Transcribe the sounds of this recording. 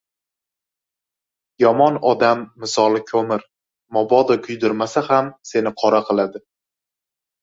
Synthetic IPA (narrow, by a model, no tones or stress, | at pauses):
jɒmɒnɒd̪amːɪsɒlˠɪkʰɵmɪɾ | mɒbɒd̪ɒkʲʰʊjd̪ʊɾmasahamse̞nɪqʰɒɾaqʰɨlˠad̪ɪ